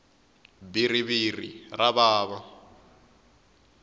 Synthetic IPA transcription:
biriβirḭraβaːβa

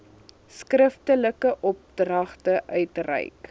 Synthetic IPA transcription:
skrəftələkəʔɔp̚drɐχtəʔœɥtrɛ̰jk

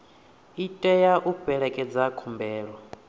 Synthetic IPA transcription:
itʼɛjaʔub̥ɛɺɛkʼɛd͡zakʰumbɛːɺɔ

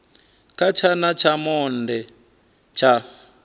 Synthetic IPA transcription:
kat͡ʃʰanat͡ʃʰamɔndɛ | t͡ʃʰa

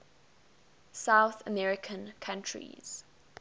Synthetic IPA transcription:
saʊθəmɛɹɪkʰə̃nkʰãntʰɹḭz̥

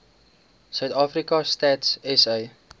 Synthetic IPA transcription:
sœɥtɑːfrikɐstɛtsɛsəj

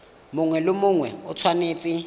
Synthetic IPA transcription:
mʊŋwɛlomʊŋwɛɔt͡sʰwaneːt͡sʼɪ

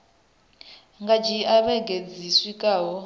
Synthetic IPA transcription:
ŋɡad͡ʒiaβɛɡʱed͡ziswikʼaːɦɔ

